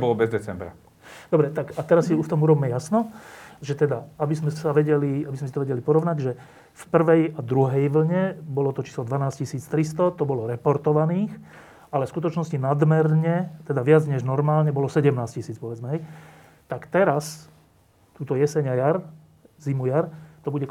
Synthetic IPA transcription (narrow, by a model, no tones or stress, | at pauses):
bɔlɔbɛzd̪ɛt͡sɛmbɾa̰ | d̪ɔbɾɛt̪akat̪ɛɾasːiuft̪ɔmuɾɔbiːmɛjasnɔʒɛt̪ɛd̪aabizmɛsaʋɛɟɛliabizmɛs̬it̪ɔʋɛɟɛlipɔɾɔʋnaɟʒɛ | fpr̩ʋɛjad̪ɾuɦɛjʋl̩ɲɛbɔlɔt̪ɔt͡ʃi̥ːslɔd̪ʋanaːscisiːt͡st̪ɾist̪ɔt̪ɔbɔlɔɾɛpɔɾt̪ɔʋaniːx | alɛfskut̪ɔt͡ʃnɔscinad̪mɛɾɲɛt̪ɛd̪aʋɪad͡zɲɛʒnɔɾmaːlɲɛbɔlɔsɛɟɛmnaːscisiːt͡spɔʋɛd͡zmɛɦɛj | t̪akt̪ɛɾas | t̪uːt̪ɔjɛsɛɲajaɾ | zimujaɾt̪ɔbuɟɛ